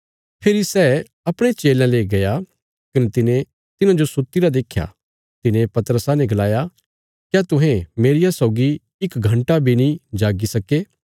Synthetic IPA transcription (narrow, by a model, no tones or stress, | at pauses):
pʰɪɾisɛː | ɐpɽ̃et͡ʃeːlãleːɡɐja | kɐnet̪ɪnẽ | t̪ɪnãd͡ʒosʊt̪ːiɾad̪eːkʰja̰ | t̪ɪnẽpɐt̪əɾəsãnɛ̃ɡɐlaːja | kjaːt̪ʊ̃ɦẽmeːɾɪjasɔʊɡi | ɪkɡʱɐ̃ɳʈabʱinĩd͡ʒaːɡisɐkeː